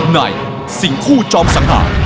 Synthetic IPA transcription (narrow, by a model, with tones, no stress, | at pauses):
na̰˨˩j | si˨˩˦ŋkʰuː˥˩t͡ɕɔː˧msa˩˦ŋha̰ː˩˦